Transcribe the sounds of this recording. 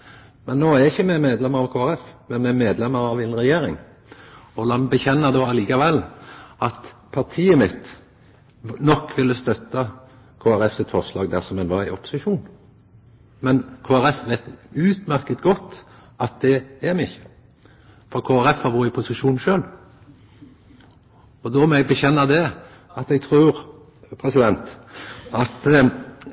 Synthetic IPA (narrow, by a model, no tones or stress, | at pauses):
mɛnːoːæɾɪçəmɛmeːd̪lɛmːəɾɑʋkʰoːæɾɛfmɛnmɛmeːd̪lɛmːəɾɑʋɛnɾɛjeːɾɪ̰ŋ | ɔlɑnbəçɛnːəd̪oːɑliːkɑʋɛlːɑt̪pʰɑɾt̪ʰiːəmɪt̪ | nɔkːʋɪlːəst̪œt̪ːɑ | kʰoːæɾɛfsɪt̪fɔʁslɑːɡd̪æɾsɔmhɛnʋɑɾæɪɔpʊ̥sɪʃuːn | mɛnkʰoːæɾɛfʋeɪt̪ʉːt̪mæɾkət̪ɡɔt̪ː | ɑt̪̚d̪ɛɛmɪçːə̥ | fɔɾkʰoːæɾɛfhɑɾʋoɾɪpʰʊsɪʂuːnʃøːl | ɔd̪ɔmɛɛɡbəçɛnːəd̪ɛ | ɑt̪ɛɡ̚t̪ʰɾʉːɾ | pʰɾɛsɪd̪ɛnt̪ɑt̪